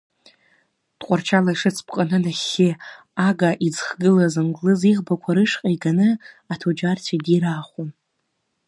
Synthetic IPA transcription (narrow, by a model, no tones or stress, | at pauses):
d̥qʷʼart͡ʃʰalaiʂɨt͡sʰpʰʼqʼanɨnaχʲːe | aɡaʔid͡zχɡɨlazɨmɡʼlɨziʁbakʷʰaɾɨʂqʼaiɡanɨ | atʰod͡ʒartʰadiɾaːχʷom